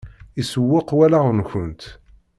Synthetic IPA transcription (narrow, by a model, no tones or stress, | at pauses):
isəwːɪqwælaʁnçʊnt̪